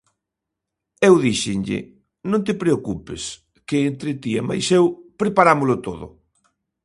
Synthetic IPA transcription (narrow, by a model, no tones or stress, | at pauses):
ewðiʃɪnʎɪ̰ | nõnt̪ɪpɾeokupɪ̰s | keːnt̪ɾɪt̪iema̰jsewpɾepaɾamʊlʊt̪oðʊ̰